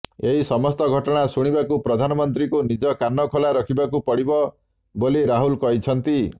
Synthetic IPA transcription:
eɦisɔmɔst̪ɔɡʱɔʈɔɽ̃asuɽ̃ibakupɾɔd̪ʱanɔmɔnt̪ɾikunid͡ʒɔkanːɔkʰɔlaɾɔkʰibakupɔɽibɔ | boliɾaɦulkɔɦit͡ʃʰɔnt̪i

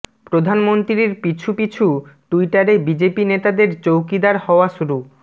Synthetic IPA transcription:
pɾod̪ʱanmont̪ɾiɾpit͡ɕʰupit͡ɕʰuʈuiʈaɾebid͡ʑepinet̪ad̪eɾt͡ɕowkid̪aɾhɔoaʃuɾu

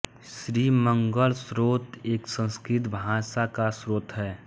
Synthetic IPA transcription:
sɾiːməŋɡəlsɾoːt̪eːksə̃nskɾɪt̪bʱãːsakasɾoːt̪ɦɛː

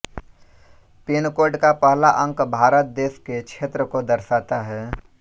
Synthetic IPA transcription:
peːnkoːɾɖkapəːlaʔə̃ŋkbʱaːɾət̪̚d̪eːskekt͡ʃʰeːt̪ɾəkod̪əɾsaːt̪aɦɛː

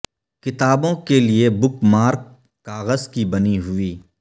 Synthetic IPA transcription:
kɪt̪aːbõkeliebʊkmaːɾkː | aːɣəzkibəniɦʊiː

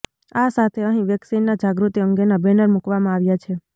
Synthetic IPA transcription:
asat̪ʰeəɦĩʋjəksinːad͡ʒaɡɾut̪iəŋɡenabɛnəɾmukʋamãaʋjat͡ʃʰe

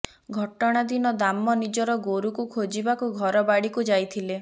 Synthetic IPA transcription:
ɡʱɔʈɔɽ̃ad̪inɔd̪amɔnid͡ʒɔɾɔɡoɾukukʰod͡ʒibakuɡʱɔɾɔbaɽikud͡ʒajt̪ʰile

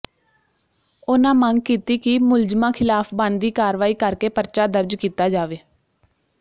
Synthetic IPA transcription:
ʊnãːmə̃ŋɡ̚kiːt̪iːkɪmʊld͡ʒmãːkʰɪlaːpʰbãːnd̪iːkaːɾʋaːiːkəɾkeːpəɾt͡ʃaːd̪əɾd͡ʒkiːt̪aːd͡ʒaːʋeː

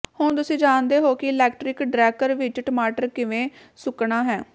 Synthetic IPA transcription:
hʊɳ̃t̪̬ʊsĩːd͡ʒaːnd̪eːɦoːkɪɪlɛːkʈɾɪkɖɾɛːkəɾʋɪt͡ʃʈəmaːʈəɾkɪʋẽː | sʊkɳaːɦɛː

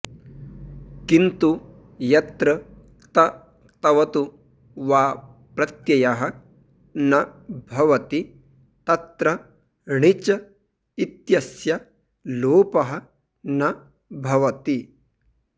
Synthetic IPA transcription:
kint̪u | jɐt̪ɾɐ | t̪ɐ | t̪ɐʋɐt̪u | ʋaː | pɾɐt̪jɐjɐɦɐ | nɐbʱɐʋɐt̪i | t̪ɐt̪ɾɐ | ɳit͡ʃɐ | it̪jɐsjɐ | loːpɐɦɐ̆ | nɐ | bʱɐʋɐt̪i

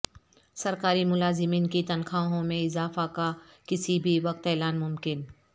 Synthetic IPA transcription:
sɐɾkaːɾimʊlaːzɪmiːnkit̪ɐnkʰaːɦõmẽɪzaːfakakɪsibʱiʋɐk̚t̪ɛːlaːnmʊmkɪn

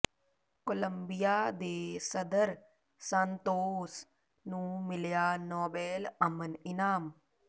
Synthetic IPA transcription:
koləmbijaːd̪eːsɐd̪əɾ | sə̃nt̪oːs | nũːmɪljaːnoːbeːlɐmənɪnaːm

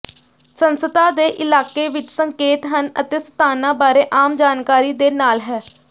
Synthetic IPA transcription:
sənsət̪ãːd̪eːʔɪlaːkeːʋɪt͡ʃsəŋkeːt̪ɦənə̰t̪eːsə̥t̪aːnãːbaːɾeːʔaːmd͡ʒaːnkaːɾiːd̪eːnaːlɦɛː

